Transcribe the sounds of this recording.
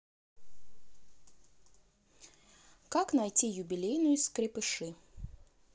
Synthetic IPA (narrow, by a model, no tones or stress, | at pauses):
kaknɐjtʲijʊbʲɪlʲejnʊjʊskɾʲɪpɨʂɨ